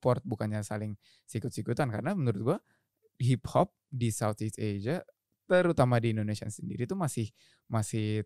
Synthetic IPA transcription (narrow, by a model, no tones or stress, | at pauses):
pɔrt̪̚bukanɲasalɪŋ | sikʊt̪sikut̪ankaɾənamənuɾʊt̪̚ɡua | ɦiphɔp̚disawt̪it̪ed͡ʒa | t̪əɾut̪amadiːndonesia̰səndḭɾit̪umasɪh | masɪ